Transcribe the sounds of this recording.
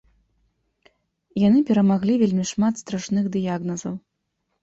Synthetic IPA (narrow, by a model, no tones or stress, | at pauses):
janɨpʲɛɾɐmaɣlʲivʲelʲmʲiʂmat̪st̪ɾaʂnɨɣd̪ɨjaɣnɐzɐw